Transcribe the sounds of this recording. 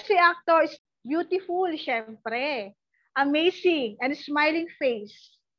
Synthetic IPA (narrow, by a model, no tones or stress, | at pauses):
siʔak̚t̪oɪs | bjuːt̪ɪfulʃɛmpɾɛ | ʔɐmejsɪŋɐ̃nsmajlɪ̃ŋfejs